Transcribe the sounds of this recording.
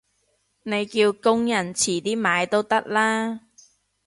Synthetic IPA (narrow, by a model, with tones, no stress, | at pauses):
ne˨˧jkiː˧wkʊ˥ŋjɐ˨˩nt͡sʰiː˨˩t̪iː˥maː˨˧jt̪o˥wt̪ɐ˥k̚laː˥